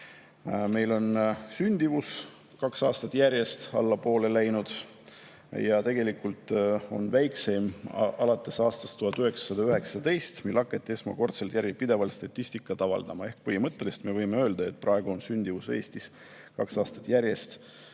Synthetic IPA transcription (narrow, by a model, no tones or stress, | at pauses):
me̞jlo̞nsynʲd̪̥ivus | kɑksɑːst̪ɑt̪ːˑjæɾʲje̞st̪ɑ̰lːɑpo̞ːle̞læjnud̪̥ | jɑt̪e̞ɡ̥e̞likult̪ˑo̞̰nvæjkse̞mɑlɑt̪ːˑe̞sɑːst̪ɑst̪ːuhɑt̪ːˑyɦeksɑ̥sɑd̪ɑyɦe̞ksɑt̪e̞jst̪milɑkːˑet̪ːˑe̞smɑ̰ko̞rt̪selt̪jæɾɡipid̪e̞vɑlt̪st̪ɑt̪ʲːisʲt̪ikːˑɑt̪ɑvɑ̰ld̪ɑmɑehk̚pɤhimɤt̪ːe̞lest̪me̞vɤjmeøːld̪̥ɑe̞t̪̚ːˑprʔɑeɡ̥uo̞nsynʲd̪̥ivuse̞ːsʲt̪is | kɑksɑːst̪ɑ̥t̪ːˑjæɾje̞st̪